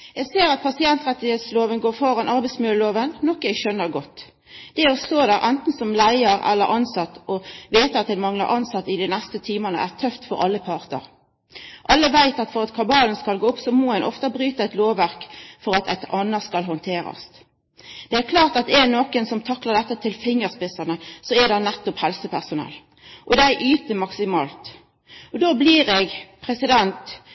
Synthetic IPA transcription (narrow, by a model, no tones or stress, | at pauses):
jɛɡseːɾɑt̪̚pʰɑsɪɛnt̪ʁɛt̪ːɪheːt̪sloːʋənɡoːɾfɔʁɑnʔɑʁbæɪsmʏləloːʋənnɔkːəɛɡʃœnːəɾɡɔt̪ː | d̪̥ɛɔst̪oːd̪æːɾʔænt̪n̩sɔmlæɪəɾɛ̰lːə̰ɾʔɑnsɑt̪ːɔʋeːt̪əɑt̪̚dɛnmɑŋlɑ̰ɾʔɑnsɑt̪ːɪd̪ɛnɛst̪ət̪ʰiːmənə̰ʔæʁt̪ʰœft̪fɔɾɑ̰lːəpʰɑːʁt̪ə̰ʁ | ʔɑlːəʋæɪt̪ɑt̪fɔʁɑt̪kʰɑbɑːlənskɑlɡoːʊpsɔmɔhɛnʔɔ̰ft̪ɑbʁyːt̪əɛɪt̪loːʋæʁkfɔɾɑt̪ɛ̰t̪ɑnːəskɑlɦɔnt̪ʰeːɾɑ̰st̪ | d̪̥ɛækʰlɑːʁt̪ɑt̪ɛnoːkənsɔmt̪ʰɑklɑʁd̪ɛt̪ːət̪ʰɪlfɪŋːəʁspɪsɑnəsɔæd̪ɑnnɛt̪ːɔphɛlsəpʰæʁsʊnɛ̰lː | ʔɔd̪ææʔyːt̪əmɑksɪmɑːlt̪ | ʔɔd̪oːbliːʁɛɡpʰʁɛsɪd̪ɛnt̪